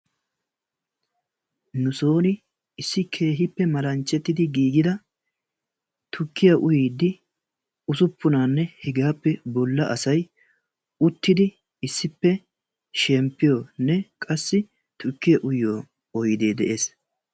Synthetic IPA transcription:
nʊso̞ːnɪ | ɪsːɪkʰe̞ːɦɪpːɛmɐlɐnt͡ʃʼːɛt̪ːɪd̪ɪɡiːɡɪd̪ɐ | t̪ʰʊkːɪjɐʔʊjiːd̪ːɪ | ʊsʊpːʊnaːnːɛhɪɡaːpːɛbɔlːɐʔɐsɐj | ʊt̪ːɪd̪ɪ | ɪsːɪpːɛ | ʃɛmpːɪjoːnɛkʼɐsːɪ | t̪ʰʊkːɪjɐʔʊjoː | ɔjɪd̪eːd̪ɛʔe̞ːs

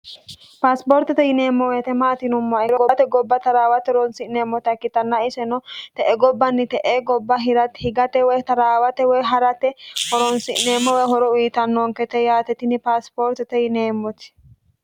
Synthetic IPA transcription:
paːspoːɾt̪ɛt̪ɛjɪne̞ːmːɔwet̪ɛmaːt̪ɪnʊmːɔɾɔɡɔt̪ɛɡɔbːɐt̪ɐɾaːwɐt̪ɛɔɾɔnsɪʔneːmːɔt̪ɐkːɪt̪ɐnːɐɪsɛnɔt̪ɛʔɛɡɔbːɐnːɪt̪ɛʔeɡɔbːɐɦɪɾɐt̪hɪɡɐt̪ɛwɔjt̪ɐɾaːwɐt̪ɛwɔjɦɐɾɐt̪ɛhɔɾɔnsɪʔneːmːɔwɛjɦɔɾɔwiːt̪ɐnːɔŋkɛt̪ɛjaːt̪ɛt̪ɪnɪpaːspoːɾt̪ɛt̪ɛjɪneːmːɔt̪ɪ̥

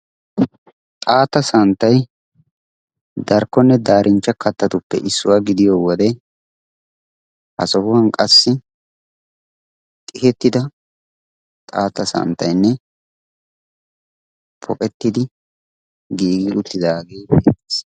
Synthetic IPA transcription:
t̪ʼaːt̪ːɐsɐnt̪ːɐj | d̪ɐɾkːɔnːɛd̪aːɾʔɪnt͡ʃːɐkɐt̪ːɐt̪ʊpːɛ̰ʔɪsːʊwaːɡɪd̪ɪjowɔd̪ɛ | hɐ̰sɔhʊwɐnkʼɐsːɪ | t̪ʼɪhɛt̪ːɪd̪ɐ | t̪ʼaːt̪ːɐsɐ̰nt̪ːɐjnːɛ | pʰɔkʼɛt̪ːɪd̪ɪ | ɡiːɡɪᶑʊt̪ːɪd̪aːɡe̞ːbeːt̪ːes

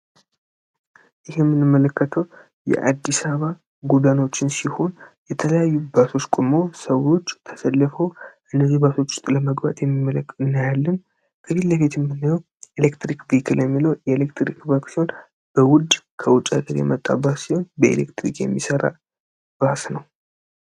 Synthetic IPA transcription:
ʔɪhemːɨnɨmːələkːət̪ʰəw | jɛ̰ʔa̰d̪ːisaβa | ɡud̪ano̞t͡ʃːɪnsiho̞njɛt̪ʰələjajːubaso̞t͡ʃːkʷʼumo̞səwo̞t͡ʃːt̪ʰəsəlːɨfəwʔɨnːəzihbaso̞t͡ʃːʊ̥st̪ʼləməɡba̰t̪jɛmːimələnːajalːən | kʰəziləβet̪jɛmːɨnːɨjəw | elekt̪ɾikvikʰɨljɛmːiləwjɛelekt̪ɾikbaksiho̞n | b̥əwʊd̪ | kʰəwʊt͡ʃʼːaɡəɾjɛ̰mət̪ʼːa̰basiho̞nbəḛlḛkt̪ɾikjɛ̰mːisəɾa̰ | b̥asnəw

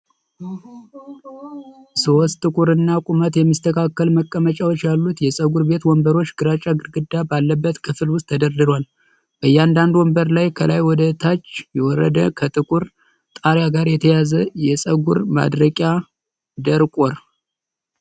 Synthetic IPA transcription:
sɨwɔst̪ʼɨkʷʼuɾɨnːakʷʼumət̪jɛmːɨst̪ʰəkʰakːəlməkʼːəmət͡ʃʼawot͡ʃːjalːut̪jɛsʼəɡuɾbe̞t̪wɔmbəɾo̞t͡ʃːɡɨɾat͡ʃʼːaɡɨɾɡɨd̪ːabalːəbːət̪kʰɨfɨlwʊst̪ʰːəd̪əɾd̪ɨɾwal | b̥əjːand̪and̪wɔmbəɾlajkʰəlajwɔd̪ət̪ʰat͡ʃːjɛwɔɾːə̰d̪əkʰət̪ʼɨkʼuɾ | t̪ʼaɾjaɡaɾjɛt̪ʰəjazəjɛsʼəɡuɾma̰d̪ɾəkʼja | d̪əɾkʼoɾ

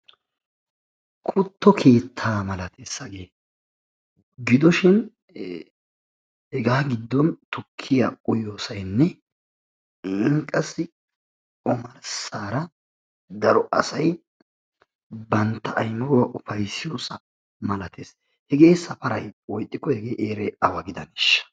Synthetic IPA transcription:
kʰʊt̪ʰːɔkʰe̞ːt̪ʰːaːmɐlɐt̪ʰesːɐɡe̞ː | ɡɪd̪ɔʃɪn | hɛɡaːɡɪd̪ːɔnt̪ʊkʰːɪja̰ʔʼʊjoːsɐjnːɛ | ɪŋkʼːɐsːɪ | kʼɔmɐɾsaːɾɐ | d̪ɐɾɔʔɐ̰sɐj | bɐnt̪ːɐʔɐjmɐɾwɐʔʊfɐjsːɪjo̞ːsɐ | mɐlɐt̪ʰeːs | hɛɡe̞ːsɐfɐɾɐjwɔjt̪ʼːɪkːɔhɛɡeːʔeːɾɛɐwɐɡɪd̪ɐnɪʃːɐ̥

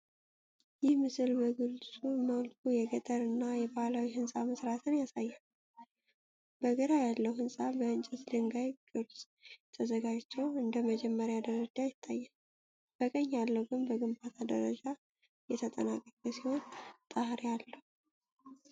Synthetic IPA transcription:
jɪhmɨsɨlbəɡɨlsʼuməwlkʰujɛɡət̪ʼəɾɨnːajɛbahalawihɨnsʼaməsɾat̪ʰɨnjasajːan | b̥əɡəɾajalːəwhɨnsʼabəɨnt͡ʃʼɛt̪d̪ɨŋɡajɡɨlsʼ | t̪ʰəzəɡad͡ʒt͡ʃːɛwɨnd̪əməd͡ʒɛmːəɾjad̪əɾəd͡ʒajɪt̪ʰːajːən | b̥əkʼəɲːjalːəwɡɨnbəɡɨmbat̪ʰad̪ə̰ɾə̰d͡ʒa | jɛt̪ʰət̪ʼə̰nakʼəkʼəsiho̞nt̪ʼəhɾialːəhu

